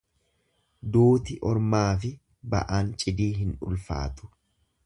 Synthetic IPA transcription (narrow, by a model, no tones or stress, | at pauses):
d̪oːt̪ɪʔɔɾmaːfɪ | bɐ̰ʔaːnt͡ʃʼɪd̪iːɦɪnʊ̰lfa̰ːt̪ʊ̥